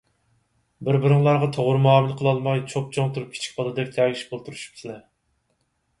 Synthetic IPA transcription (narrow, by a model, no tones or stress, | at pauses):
bɪɾbɪɾɨŋlˠɑɾʁɑt̪ʰoʁʊɾmɑːmɪlˠqʰəlˠɑlˠmɑjt͡ʃʰop̚t͡ʃʰoŋt̪ʰuɾup̚kʲʰi̥t͡ʃʰi̥k̚ʲbɑd̪ɨd̪ɛp̚ʲt̪ʰɛːɡʲiʃbolˠt̪ʰuɾuʃu̥p̚t͡ʃ̪ʲʰinɪ